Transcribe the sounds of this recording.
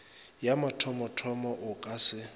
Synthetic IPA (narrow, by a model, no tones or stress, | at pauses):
jamatʰɔmɔtʰɔmɔʔʊkʼasɪ